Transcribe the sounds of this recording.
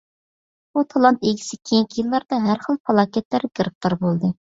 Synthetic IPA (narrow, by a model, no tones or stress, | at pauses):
but̪ʰɑlˠɑnt̪eɡʲʰi̥sɪkʲʰejŋkʲʰːijilˠːɑɾd̪ɑɦæɾχəlˠpʰɑlˠɑːkʲɛt̪læɾɡʲəɾɨk̚t̪ʰoɾbolˠd̪ɨ